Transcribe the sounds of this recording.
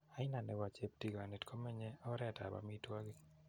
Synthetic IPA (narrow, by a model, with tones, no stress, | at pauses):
a˦ɪ˦na˨nɛ˨wa˨t͡ʃe˦p̚ti˨ɡa˨ne˨tkʰo˦mɛ˦ɲɛ˦ɔ˦ɾɛ˨ta̰˨ba̰˨mitwa˦ɡi˨